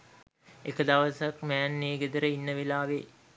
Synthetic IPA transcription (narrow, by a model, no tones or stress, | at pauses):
ekəd̪aʋəsakmæːnːeːɡed̪əɾəinːəʋelaːʋe